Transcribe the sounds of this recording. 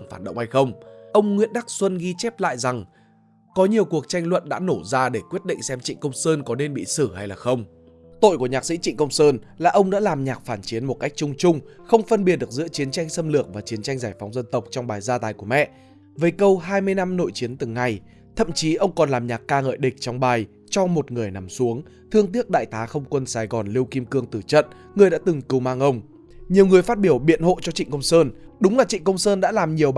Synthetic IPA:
ŋfaː˧˩nɗə̰˧˨ŋ͡mha˧jxə˧wŋ͡mʔə˧wŋ͡mŋwḭ˧˥ənɗa˦˥k̚swə˧nɣi˧t͡ɕɛ˦˥p̚la̰ː˧˨jza˨˩ŋ | kɔ˨˦ɲi˨˩əwku˨˩ək̚t͡ɕa˧jŋlwə̰˧˨nɗa̰ː˧˥no˧˩zaː˧ɗe˧˩kwi˦˥ət̚ɗḭ̈˧˨ŋ̟sɛ˧mt͡ɕḭ˧˨ŋ̟kə˧wŋ͡msəː˧nkɔ˨˦ne˧nɓḭ˧˨sɨ˧˩ha˧jlaː˨˩xə˧wŋ͡m | t̪o̰˧˨jku˧˩əɲaː˨˩k̚sḭ˧˥t͡ɕḭ˧˨ŋ̟kə˧wŋ͡msəː˧nlaː˨˩ʔə˧wŋ͡mɗa̰ː˧˥laː˨˩mɲaː˨˩k̚faː˧˩nt͡ɕi˨˦ənmo˨˩t̚ka˦˥k̟̚t͡ɕʊ˧ŋ͡mt͡ɕʊ˧ŋ͡mxə˧wŋ͡mfə˧nɓi˨˩t̚ɗɨ˨˩ək̚zɨ̰˧˥ət͡ɕi˨˦ənt͡ɕa˧jŋ̟sə˧mlɨ˨˩ək̚vaː˨˩t͡ɕi˨˦ənt͡ɕa˧jŋzaː˧˩jfɔ˨˦wŋ͡mzə˧nt̪ə˨˩wk͡p̚t͡ɕɔ˧wŋ͡mɓaː˨˩jzaː˧t̪aː˨˩jku˧˩əmɛ̰˧˨ | vəː˨˦jkə˧wɦaː˧jmɨ˧əjna˧mno̰˧˨jt͡ɕi˨˦ənt̪ɨ˨˩ŋːa˨˩j | t̪ʰə̰˧˨mt͡ɕi˨˦ʔə˧wŋ͡mkɔ˨˩nlaː˨˩mɲaː˨˩k̚kaː˧ŋə̰ː˧˨jɗï̟˨˩t͡ɕɔ˧wŋ͡mɓaː˨˩j | t͡ɕɔ˧mo˨˩t̚ŋɨ˨˩əjna˨˦msu˨˦əŋ | t̪ʰɨ˧əŋt̪i˦˥ək̚ɗa̰ː˧˨jt̪aː˨˦xə˧wŋ͡mkwə˧nsaː˨˧˩jɣɔ˨˩nli˧əwki˧mkɨ˧əŋt̪ɨ˧˩t͡ɕə̰˧˨n | ŋɨ˨˩əjɗa̰ː˧˥t̪ɨ˨˩ŋkɨ˧˩wmaː˧ŋʔə˧wŋ͡m | ɲi˨˩əwŋ͡mŋɨ˨˩əjfa˦˥t̚ɓi˧˩əwɓḭ˧˨ənɦo̰˧˨t͡ɕɔ˧t͡ɕḭ˧˨ŋ̟kə˧wŋ͡msəː˧nɗʊ˨˦ŋ͡mlaː˨˩t͡ɕḭ˧˨ŋ̟kə˧wŋ͡msəː˧nɗa̰ː˧˥laː˨˩mɲi˨˩əw

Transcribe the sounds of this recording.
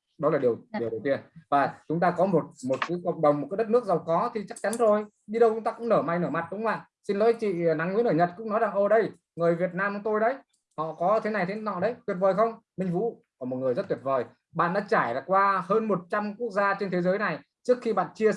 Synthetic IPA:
ɗɔ˨˦laː˨˩ɗi˨˩əwi˩əwɗə˨˩wt̪i˧ənvaː˨˩t͡ɕʊ˨˦ŋ͡mt̪aː˧kɔ˨˦mo˨˩t̚mo˨˩t̚kɨ˨˦kə̰˧˨wŋ͡mɗə˨˩wŋ͡mm̚˨˩kːa˨˦ə˦˥t̚nɨ˦˥ək̚za˨˩wkɔ˨˦t̪ʰi˨˩t͡ɕa˦˥k̚t͡ɕa˨˦nzo˨˩j | ɗi˧ɗə˧wt͡ɕʊ˨˦ŋ͡mt̪aː˧kʊ̰˧˥ŋ͡mnəː˧˩ma˨˩jnəː˧˩ma˨˩t̚ɗʊ˨˦ŋ͡mma̰ː˧˨n | si˧nlo̰˧˥˦jt͡ɕḭ˧˨na˨˦ŋwi˧˥nəː˧˩ɲə˨˩t̚kʊ̰˧˥ŋ͡mnɔ˨˦jza˨˩ŋʔo˨˩ɗə˧j | ŋɨ˨˩əjvi˨˩ət̚naː˧mɔ˧˦t̪o˧jɗə˨˦j | hɔ̰˧˨kɔ˨˦t̪ʰe˨˦na˨˩jt̪ʰe˨˦nɔ̰˧˨ɗə˨˦jt̪wi˩ət̚vəː˨˩jxə˧wŋ͡mmï˧ŋ̟vṵ˧˥ | ɔ˧˨˩mo˨˩t̚ŋɨ˨˩əjzə˦˥t̚t̪wi˨˩ət̚vəː˨˩j | ɓa̰ː˧˨nɗa̰ː˧˥t͡ɕaː˧˩jlaː˨˩kwaː˧həː˧nmo˨˩t̚t͡ɕa˧mku˦˥ək̚zaː˧t͡ɕe˧nt̪ʰe˨˦zəː˨˦jna˨˩j | t͡ɕɨ˦˥ək̚xi˧ɓa̰ː˧˨nt͡ɕi˧ə

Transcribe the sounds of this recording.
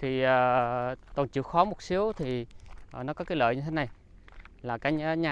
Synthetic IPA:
t̪ʰi˨˩əː˨˩t̪ɔ˨˩nt͡ɕɨ̰˧˨xɔ˨˦mo˨˩t̚si˨˦əwt̪ʰi˨˩˨nɔ˨˦kɔ˨˦kaː˨˦lə̰ː˧˨jɲə˧t̪ʰe˨˦na˨˩j | laː˨˩kaː˨˦ɲ˦ɲaː˨

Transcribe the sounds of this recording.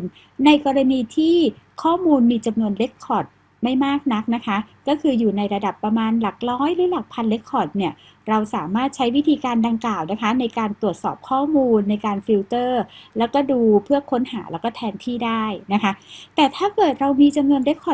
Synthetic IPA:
n | na˧jkɔː˧ɾa˧niː˧t̪ʰiː˥˩ | kʰɔː˥˩muː˧nmiː˧t͡ɕa˧mnu˧ənle˦˥kʰːɔ˨˩t̪̚ | ma˥˩jmaː˥˩k̚na˦˥k̚na˦˥kʰa˦˥kɔː˥˩kʰɯː˧juː˨˩na˧jɾa˧da˨˩pːɾa˧maː˧nla˨˩k̚lɔː˦˥jɾɯː˨˦˥la˨˩k̚pʰa˧nle˦˥kʰːɔ˨˩t̪̚ni˥˩ɐ | ɾa˧wsaː˩˦maː˥˩t̪̚t͡ɕʰa˦˥jwi˦˥t̪ʰiː˧kaː˧nda˧ŋklaː˨˩wna˦˥kʰa˦˥na˧jkaː˧nt̪ɾu˨˩ət̪̚sɔː˨˩p̚kʰɔː˥˩muː˧nːa˧jkaː˧nfi˦˥wt̪ɤː˥˩lɛː˦˥wkɔː˥˩duː˧pʰɯ˥˩ɐkʰo˦˥nha̰ː˩˦lɛ˦˥wkɔː˥˩t̪ʰɛː˧nt̪ʰiː˥˩daː˥˩jna˦˥kʰa˦˥ʔt̪ɛː˨˩t̪ʰaː˥˩kɤː˨˩t̪̚ɾa˧wmiː˧t͡ɕa˧mnu˧ənle˦˥k̚ʰːɔ˨˩

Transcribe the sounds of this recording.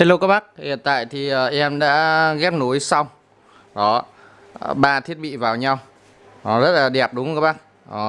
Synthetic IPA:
t̪e˨˧jlə˧kaː˦˥ɓa˦˥k̚hḭ˧˨ənt̪a̰ː˧˨jt̪ʰi˨˩ʔəː˨˩ʔɛ˧mɗa̰ː˧˥ɣɛ˦˥p̚nu˨˦jsa˧wŋ͡m | ɗɔ˨˦ | ɓaː˧t̪ʰi˦˥ət̚ɓḭ˧˨vaː˨˩wɲa˧w | ɔ˨˦zə˦˥t̚laː˨˩ɗɛ˨˩p̚ɗʊ˨˦ŋ˧kaː˦˥ɓa˦˥k̚ | ɔ˨˦

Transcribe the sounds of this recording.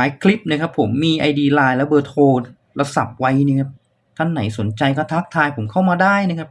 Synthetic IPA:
aː˨˩˦jkʰli˦˥p̚na˥˩kʰa˦˥pʰːo˩˦mːiː˧ʔa˧jdiː˧laː˧jlɛ˦˥wbɤː˧t̪ʰoː˧ | la˧sa˨˩p̚wa˦˥jniː˥˩kʰa˦˥p̚ | t̪ʰa˥˩nːa˩˦jso˨˩˦nt͡ɕa˧jkɔː˥˩t̪ʰaː˦˥k̚t̪ʰaː˧jpʰo˨˩˦mkʰa˥˩wmaː˧daː˥˩jna˦˥kʰa˦˥p̚

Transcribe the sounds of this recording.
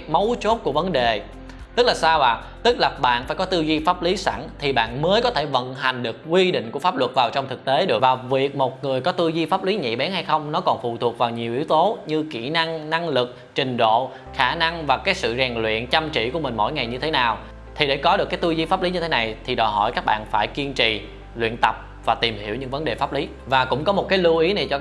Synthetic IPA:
mə˨˦wt͡ɕo˦˥t̚ku˧˩əvə˨˦nɗe˨˩ | t̪ɨ˦˥k̚laː˨˩saː˧wvaː˨˩ | t̪ɨ˦˥k̚laː˨˩ɓa̰ː˧˨nfaː˧˩jkɔ˨˦t̪ɨ˧zi˧faː˦˥p̚li˨˦sa˧˩nt̪ʰi˨˩ɓa̰ː˧˨nməː˨˦jkɔ˨˦t̪ʰe˧˩və̰˧˨nɦa˨˩jŋ̟ɗɨ˨˩ək̚kwi˧ɗḭ̈˧˨ŋ̟ku˧˩əfaː˦˥p̚lwə˨˩t̚vaː˨˩wt͡ɕɔ˧wŋ͡mt̪ɨ˨˩k̚t̪e˨˦ɗɨ˨˩ə˩vaː˨˩vi˨˩ək̚mo˨˩t̚ŋɨ˨˩əjkɔ˨˦t̪ɨ˧zi˧faː˦˥p̚li˨˦ɲḭ˧˨ɓɛ˨˦nha˧jxə˧wŋ͡mnɔ˨˦kɔ˨˩nfṵ˧˨t̪ʰu˨˩ək̚vaː˨˩wɲi˨˩əwʔḭ˧˨˦əwt̪o˨˦ɲɨ˧ki˧˩na˧ŋna˧ŋlɨ˨˩k̚t͡ɕï˨˩ŋ̟ɗo̰˧˨ | xaː˧˩na˧ŋvaː˨˩kaː˨˦jsɨ̰˧˨zɛː˨˩ŋlwḭ˧˨ənt͡ɕa˧mt͡ɕḭ˧˨ku˧˩əmï˨˩ŋ̟mo̰˧˥˩jŋa˨˩jɲɨ˧t̪ʰe˨˦naː˨˩w | t̪ʰi˨˩ɗe˧˩kɔ˨˦ɗɨ˨˩kːaː˨˦jt̪ɨ˧zi˧faː˦˥p̚li˨˦ɲɨ˧e˨˦na˨˩jt̪ʰi˨˩ɗɔ˨˩jɦɔ̰˧˩jkaː˦˥k̚ɓa̰ː˧˨nfaː˧˩jki˧ənt͡ɕḭ˧˨ | lwḭ˧˨ənt̪ə˨˩p̚ | vaː˨˩t̪i˨˩mhi˧˩əwɲɨ̰˧˥ŋvə˨˦nɗe˨˩faː˦˥p̚li˨˦ | vaː˨˩kʊ̰˧˥ŋ͡mkɔ˨˦mo˨˩t̚kaː˨˦jlu˧ʔi˨˦ni˨˩t͡ɕɔ˧

